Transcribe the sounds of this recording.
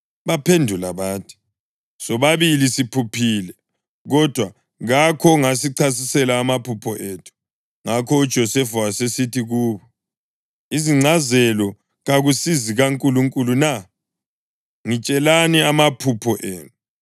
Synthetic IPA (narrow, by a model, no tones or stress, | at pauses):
βapʰendʱulaβaːtʰi̥ | sɔβaβilisipʰupʰiːlɛ | ɣɔd̥ʱwa | ɣakʰɔŋasiǀʰas̬isɛlaːmapʰupʰɔʔeːtʰu̥ | ŋakʰɔud̥ʒ̥ʱɔsɛfawasesitʰiɣuːβɔ | iziŋ͡ǀʱazɛlɔ | ɣaɣusiziɣaŋkʼuluŋkʼuluna | ŋit͡ʃʼɛlaniamapʰupʰɔʔeːnu